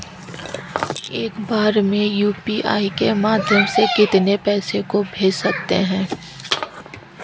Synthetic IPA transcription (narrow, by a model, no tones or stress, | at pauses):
eːkbaːɾmẽjuːpiʔaːikemaːd̪ʱjəmsekɪt̪nepɛːsekobʱeːd͡ʒsɐkt̪eɦɛ̃ː